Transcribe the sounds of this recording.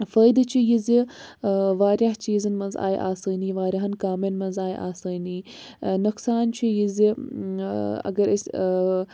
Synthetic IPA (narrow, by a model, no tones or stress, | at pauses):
fəːjd̪t͡ʃʰijizi | ʋaːɾjɐɦt͡ʃiːzɐnmɐnza̰ːjʔa̰ːsɐːniːʋaːɾʲɐɦɐnkaːmɐnmɐnzaːjʔa̰ːsɐːniː | nuqsaːnt͡ʃʰijizi | ɐ̰ɡɐɾisʲ